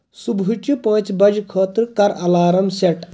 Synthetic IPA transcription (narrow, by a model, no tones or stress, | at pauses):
subʱut͡ʃupɐ̃ːt͡sbɐd͡ʒkʰoːt̪ɾkɐɾɐlaːɾɐmseʈ